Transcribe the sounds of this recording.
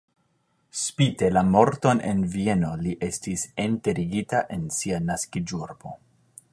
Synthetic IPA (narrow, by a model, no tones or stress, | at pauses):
spite̞lamo̞ɾto̞nʔe̞̰nvie̞no̞liʔe̞stisente̞ɾiɡitaʔe̞nsianaskid͡ʒuɾbo̞